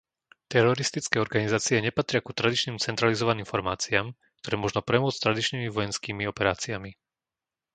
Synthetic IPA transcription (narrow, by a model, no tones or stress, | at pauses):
t̪ɛɾɔɾist̪it͡skɛːɔɾɡanizaːt͡siɛɲɛpat̪ɾɪakut̪ɾad̪it͡ʃniːmt͡sɛnt̪ɾalizɔʋaniːmfɔɾmaːt͡siaːm | kt̪ɔɾɛːmʊɔʒnɔpɾɛmʊɔt͡st̪ɾad̪it͡ʃnimiʋɔjɛnskiːmiɔpɛɾaːt͡siami